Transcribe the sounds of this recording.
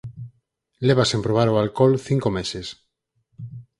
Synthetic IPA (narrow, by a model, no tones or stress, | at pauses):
leβasempɾoβ̞aɾoalkolθiŋkomeses